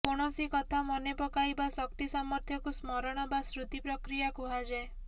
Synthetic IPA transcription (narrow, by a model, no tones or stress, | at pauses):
koɽ̃ɔsikɔt̪ʰamɔnepɔkaibasɔkt̪isamɔɾt̪ʰjɔkusmɔɾɔɽ̃ɔbasɾut̪ipɾɔkɾijakuɦad͡ʒae